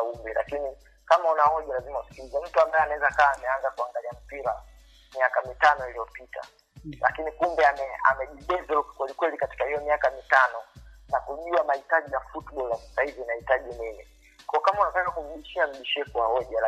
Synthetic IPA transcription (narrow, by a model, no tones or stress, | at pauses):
umbilʔa̰kini | kamaunahɔʄalazimauskiuzam̩tuambaɛanaɛzakaːmɛaŋzakuaŋɡaliam̩piɾa̰ | miakamitanɔilijɔpitʰa̰ | la̰kinikumbɛamɛa̰mɛʄiɓɛzɛuku̥kwɛlikwɛlikati̥kahijɔmiakamitanɔnakuʄuamahitaʄijafutɓɔlasḁsahivinahitaʄinimi | kɔɔkamaunatakakum̩ɗiʃiam̩ɗiʃɛkuwahɔʄala